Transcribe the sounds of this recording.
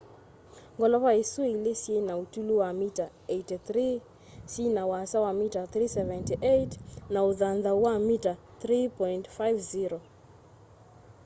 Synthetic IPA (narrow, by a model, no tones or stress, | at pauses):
ŋɡɔlɔvaisueilesiejnautuluwamita | ejtiθri | sinawasawamitaθrisɛvɛntiʔejtnauðanðawamita | θɾipɔintfajvziɾo